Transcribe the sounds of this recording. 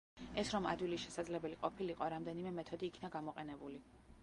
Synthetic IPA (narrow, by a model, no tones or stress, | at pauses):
ɛsɾɔmad̪wilisʃɛsad̪zlɛbɛliqʼɔpʰiliqʼɔɾamd̪ɛnimɛmɛt̪ʰɔd̪iːkʰnaɡamɔqʼɛnɛbuli